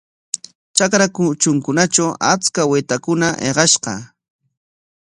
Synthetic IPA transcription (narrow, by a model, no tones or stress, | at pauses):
t͡ʃakɾakʊt͡ʃʊŋkʊnat͡ʃawa̰t͡skawet̪akʊnaʔḛɢɑʃqɑ̰